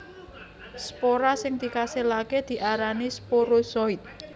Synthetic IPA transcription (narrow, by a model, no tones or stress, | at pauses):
spoɾasɪŋd̪̥i̤kaselaked̪̥i̤ʔaɾanispoɾosɔit̪̚